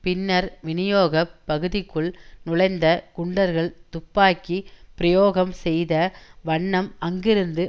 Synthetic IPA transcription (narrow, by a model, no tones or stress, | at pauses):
pɪnːɐɾʋɪnɪjoːɣɐpːɐɣɯðɪkːɯɭnʊlɐɪnd̪ɐkʊɳɖɐɾɣɐɭt̪ʊpːaːkːipɪɾɐjoːɣɐmsɛjðɐʋɐɳːɐmɐŋɡɪɾɯnd̪ɯ